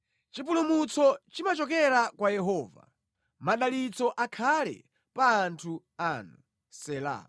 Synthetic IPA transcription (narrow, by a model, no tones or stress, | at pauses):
t͡ʃip̬ulumut͡sɔt͡ʃimat͡ʃɔkɛɾakwajɛɦɔːva̰ | maɗalit͡sɔʔakʰalɛ̰ | paːntʰu | aːnu | sɛla̰ː